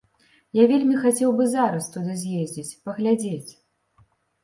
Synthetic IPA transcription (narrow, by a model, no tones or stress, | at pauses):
javʲelʲmʲixat͡sʲɛwbɨzaɾɐst̪ud̪ɨzʲjezʲd͡zʲit͡sʲpɐɣlʲad͡zʲet͡sʲ